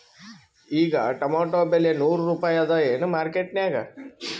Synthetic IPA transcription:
iːɡaʈəmɔʈobelenuːɾːupajad̪ajenɨmaɾkeʈ̚naɡa

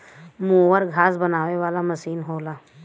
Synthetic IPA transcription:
moːwəɾɡʱaːsbɐnaːʋeʋaːlamɐsiːnɦoːlaː

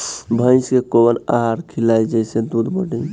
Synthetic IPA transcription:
bʱə̃ɪ̃skekobənaɦaɾkʰilajd͡ʒəjsẽd̪ud̪bəʈi

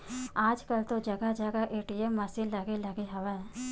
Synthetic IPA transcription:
aːd͡ʒkəlt̪od͡ʒɐɡad͡ʒɐɡaʔeːʈiemːaːsinlaɡelaɡeɦɐʋaɛː

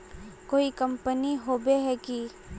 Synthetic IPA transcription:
koːikɐ̃mpəniɦoːbeɦɛki

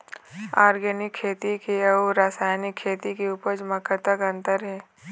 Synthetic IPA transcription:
aːɾɡɛnɪkʰːeːt̪ikeɐɾaːsaːjnɪkʰːeːt̪ikeuːpəɾd͡ʒməkʰət̪əkɐ̃nt̪əɾɦɛː

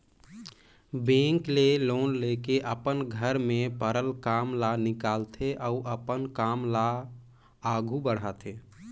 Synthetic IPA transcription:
bẽːŋkleloːnleːkeʔəpənɡʱəɾmẽpəɾəlkaːmlanɪkaːlt̪ʰeʔɔʊʔəpənkaːmla | aːɡʱubəɽ̤aːt̪ʰeː

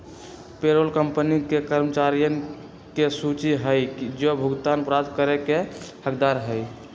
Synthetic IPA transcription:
peɾolkəmpənikekəɾmət͡ʃaɾijən | kesut͡ʃiɦəjid͡ʒobʱuɡt̪anpɾat̪kəɾekehəkd̪aɾɦəj

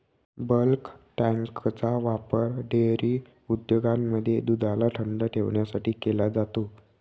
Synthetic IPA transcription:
bəlkʈɛ̃ŋkt͡saʋapəɾɖeɾiː | ud̪joɡamːəd̪ʱjed̪ud̪ʱalaʈʰəɳɖ̪əʈʰeʋɳjasaʈiːkelad͡zat̪o

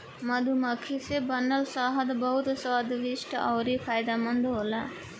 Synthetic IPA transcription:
məd̪ʱuməkʰisebənːəlsəɦəd̪bəɦut̪səd̪ʋisʈɔʊɾipʰajd̪amənd̪ɦola

